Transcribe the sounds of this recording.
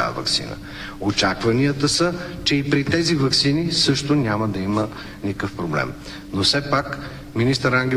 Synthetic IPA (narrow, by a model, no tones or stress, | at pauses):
a̰və̰ksḭnə̰ | ot͡ʃakvɐniət̪əsət͡ʃɛipɾit̪ɛzivɐksinisɤʃt̪onʲaməd̪ɐimə | nikəfpɾoblɛ̰m | nosɛpak | minist̪əɾaŋɡʲɛ